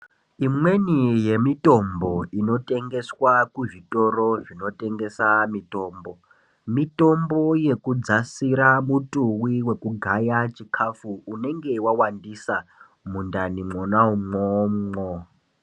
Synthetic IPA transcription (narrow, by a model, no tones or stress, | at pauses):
imwenije̞mitʼo̞mbo̞ino̞tʼe̞ŋɡe̞swakuʐitʼo̞ro̞ʐino̞te̞ŋɡe̞samito̞ːmbo̞ | mito̞mbo̞je̞kud͡zasiɾamutʼuwiwe̞kuɡʱajat͡ʃikʰafuːne̞ŋɡe̞wawandisa | mundanimonaumomŋo